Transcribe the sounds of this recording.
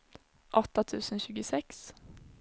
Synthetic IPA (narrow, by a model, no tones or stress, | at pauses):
ʔɔt̪ɑt̪ʰʉːsn̩çʉːɡəsɛks